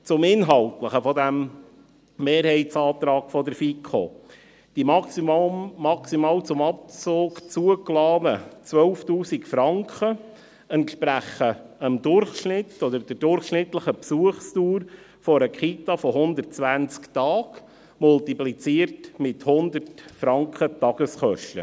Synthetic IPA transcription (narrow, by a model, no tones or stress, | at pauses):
t͡sʊmɪnɦɑlt̪ləχəfɔd̪æm | meːɾɦɛɪtt͡sɑːt̪ɾɑːkfɔd̪əɾfikʰχo̰ | d̥imɑsː | ɑksimɑːlt͡sʊmɑp̚t͡soːkt͡suəklɑːnət͡sʋœlftuːsikfɾɑŋkχə | ɛntʃpɾæχəəmd̪ʊɾχʃnɪt̪ːɔd̪əɾd̥ədʊɾχʃnɪt̪ləχəpsuəχstuːɾ | fɔɾəkχit̪ɑfɔɦʊnd̪ərt̚t͡sʋænt͡skt̪ɑːk | mʊlt̪iplit͡siəɾtmɪthʊnd̪ərtfɾɑŋkʰχət̪ɑɡ̥əsχœʃtə̰